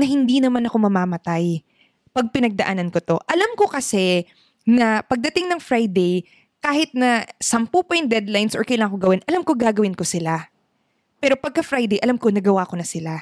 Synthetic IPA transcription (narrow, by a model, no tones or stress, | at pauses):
nɐhɪnd̪inɐmanɐko̞mɐmaːmɐt̪aj | pɐɡ̚pɪnɐɡ̚d̪ɐʔa̰ːnɐnkot̪o̞ʔɐlamko̞kɐsɛ | nɐpɐɡ̚d̪ɐt̪ɪŋnɐŋfɾajd̪ɛj | kaːhɪt̪̚nɐsɐmpupɐjɪnd̪ɛd̪lajnsʔɔɹkɐjlaːŋɐŋkoɡɐwɪnʔɐlamkoɡaːɡɐwɪnko̞sɪla | pɛːɾo̞pɐɡ̚kɐfɾajd̪ɛjʔɐlamko̞nɐɡɐwakonɐsɪla